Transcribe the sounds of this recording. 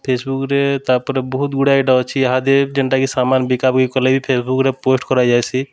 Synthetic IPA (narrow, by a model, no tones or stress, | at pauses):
pʰesbukɾet̪aɾpɔɾebɔɦut̪ɡuɽajʈaot͡ʃʰiɦad̪ed͡ʒeɳʈakisamanbikabkikɔlebipʰesbukɾeposʈkɔɾad͡ʒajt͡ʃʰi